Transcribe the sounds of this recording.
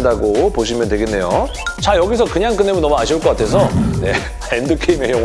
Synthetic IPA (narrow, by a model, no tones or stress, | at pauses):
ndaɡopoɕ̬ʰimjʌntwe̞ɡe̞nːe̞jo | t͡ɕajʌɡis̬ʰʌkɯɲaŋk͈ɯnːemʌnːʌmuaɕʰiuɭk͈ʌk͈atʰe̞s̬ʰʌne̞ | endɯkʰeime̞jʌŋ